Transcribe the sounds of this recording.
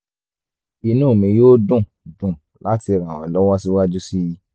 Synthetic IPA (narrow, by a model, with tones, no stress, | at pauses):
i˧nũː˦˨mĩ˧joː˦dũ˦˨ | dũ˨ | la˦ti˧ɾ̃ã˨wɔ̰̃˨lɔ˦wɔ˦si˦wa˦d͡ʒu˦si˦ji˧